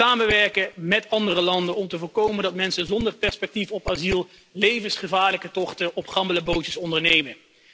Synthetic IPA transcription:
aːməʋɛɹkəmɛtɑndərəlɑndənɔmtəvʊːɹkowməndɑtmɛnsənzɔndərpɛɹspɛk̚tifɔpazilˠ | lejvənsχəvaːɹləkətɔχtəʔɔpχɑmbələbowtəsɔndəɹnejmə

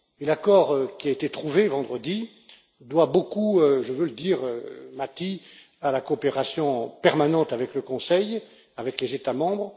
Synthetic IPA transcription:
elakɔʁkʲiaet̪et̪χuvevɑ̃d̪ʁəd̪i | d̪wabokuøʒəvøləd̪iːʁømat̪i | alakoːpeʁasjɔ̃pɛʁmanɑ̃t̪avɛkləkɔ̃sɛj | avɛklezet̪amɑ̃bʁ

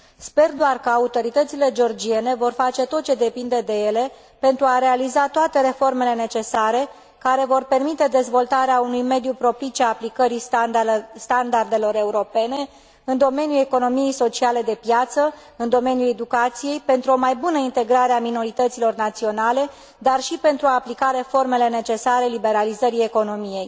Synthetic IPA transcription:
spe̞rd̪oarkəaut̪o̞ɾit̪ət̪sile̞d͡ʒeo̞rd͡ʒie̞ne̞vo̞rfat͡ʃe̞t̪o̞t̪̚t͡ʃe̞d̪e̞pind̪e̞d̪e̞je̞le̞ | pe̞nt̪ɾuaɾe̞alizat̪oat̪e̞ɾe̞fo̞rme̞le̞ne̞t͡ʃe̞saɾe̞ | kaɾe̞vo̞rpe̞rmit̪e̞d̪e̞zvo̞lt̪aɾeaunujme̞d̪jupɾo̞pit͡ʃeaːplikəɾi | st̪and̪ard̪e̞lo̞ɾe̞uɾo̞pe̞ne̞ | ɨnd̪o̞me̞njue̞ko̞no̞mijejso̞t͡ʃiale̞d̪e̞pjat̪sə | ɨnd̪o̞me̞njule̞d̪ukat̪sije̞jpe̞nt̪ɾuo̞majbunəint̪e̞ɡɾaɾeamino̞ɾit̪ət̪silo̞rnat̪sio̞nale̞ | d̪arʃipe̞nt̪ɾuaːplikaɾe̞fo̞rme̞le̞ne̞t͡ʃe̞saɾe̞libe̞ɾalizəɾije̞ko̞no̞mije̞j

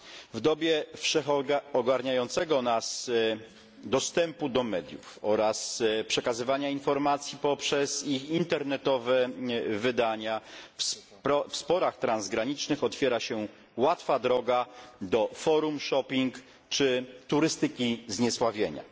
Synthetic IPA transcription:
vd̪ɔbʲjɛfʂɛxɔɡaɾɲajɔnt̪sɛɡɔnas | d̪ɔst̪ɛmpud̪ɔmɛd̪ʲjṵfɔɾaspʂɛkazɘvaɲainfɔɾmat̪sʲjipɔpʂɛzixint̪ɛɾnɛt̪ɔvɛvɘd̪aɲafspɾɔfspɔɾaxt̪ɾanzɡɾaɲit͡ʂnɘxɔt̪fʲjɛɾaɕɛ | wat̪fad̪ɾɔɡad̪ɔfɔɾumʂɔpʲiŋk | t͡ʂɘt̪uɾɘst̪ɘkʲizɲɛswavʲjeɲa̰

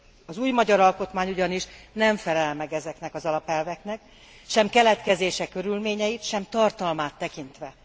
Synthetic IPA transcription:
ɒzuːjmɒɟɒɾɒlko̞t̪maːɲuɟɒniʃnɛɱfɛlɛlmɛɡɛzɛknɛkɒzɒlɒpɛlvɛkn̪ɛk | ʃɛmkɛlɛt̪kɛzeːʃɛkø̞ɾylmeːɲɛjit̪ʃɛmt̪ɒrt̪ɒlmaːt̪ːɛkint̪ʋɛ

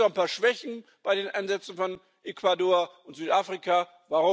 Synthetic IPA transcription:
anpaːɐʃv̥ɛçn̩b̥aɪdeːnʔaɪnzɛt͡sn̩fɔn | ʔekvadoːɐʊntz̥yːtaːfʁ̥ikʰa | vaʁʊ

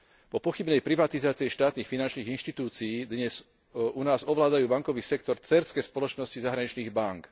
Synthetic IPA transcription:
pɔpɔxibnɛjpɾiʋat̪izaːt͡siɛʃt̪aːt̪niːxfinant͡ʃniːɣinʃt̪it̪uːt͡sijiːd̪ɲɛz̥ | unaːzɔʋlaːd̪ajuːbaŋkɔʋiːsɛkt̪ɔɾt͡sɛɾskɛspɔlɔt͡ʃnɔscizaɦɾaɲit͡ʃniːɣbaŋk

